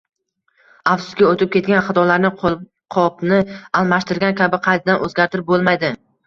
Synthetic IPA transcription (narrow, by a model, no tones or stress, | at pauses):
afsʊ̥sɡʲaot̪ɪp̚kʲʰe̞t̪̚ɡʲanχɑt̪ʰɒlaɾnɪ | qʰɒpnɪalˠmaʃt̪ɪɾɡʲankʲʰabɪqʰɑjt̪ʰɪd̪anʔɵzɡʲaɾt̪ɪɾɪp̚bolˠmajd̪ɪ